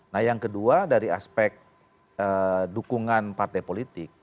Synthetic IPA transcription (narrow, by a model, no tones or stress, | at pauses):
nahjaŋkəduadaɾia̰spɛk̚t̪̚ | ədukuŋanpart̪ajpolit̪ɪk̚